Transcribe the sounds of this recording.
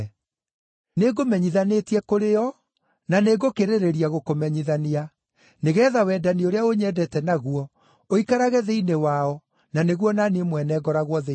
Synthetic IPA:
neɡomɛɲiðanetiɛkoɾeɔ | naneɡokeɾeɾeɾiaɣokomɛɲiðania | neɣɛːðawɛːdanioɾeaoɲɛdɛtɛnaɣuɔ | oikaɾaɣɛðeinewaɔ | naneɣwɔnanemwɛnɛːɡɔɾaɣwɔðe

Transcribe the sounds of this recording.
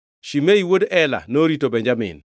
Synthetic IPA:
ʃimeiwodɛla̰noɾitobeɲd͡ʒamɪ̰n

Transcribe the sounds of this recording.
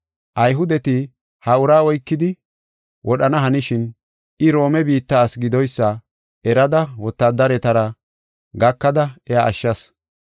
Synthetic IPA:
ʔɐjɦʊd̪ɛt̪ɪ | hɐʊɾaːɔjkːɪd̪ɪ | wʔɔɗɐnɐɦɐnɪʃɪn | ɪɾo̞ːmɛbiːt̪ːaːsɡɪd̪ɔjsːɐ | ɛɾɐd̪ɐwɔt̪ːad̪ːɐɾɛt̪ɐɾɐ | ɡɐkːɐd̪ɐɛjaʔːʃːɐs

